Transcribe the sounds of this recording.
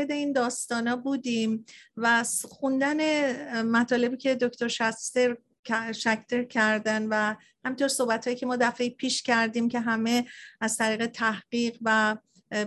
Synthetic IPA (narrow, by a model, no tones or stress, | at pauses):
ed̪e̞iːnd̪ɒːst̪ɒːnɒːbuːd̪iːmvæxund̪ænemæt̪ʰɒːle̞biːcʰʲe̞d̪okt̪oɾʃæst̪eɾ | ʃækʰt̪ʰeɾcʰæɾd̪ænvæ | hæmint̪ʰo̞ɾso̞hbæt̪hɒːjiːcʰemɒːd̪æfe̞jpʰiːʃcʲʰæɾd̪iːmcʰeɦæme̞æzt̪ʰæɾiːɣe̞t̪ʰæhɢ̥iːɢvæ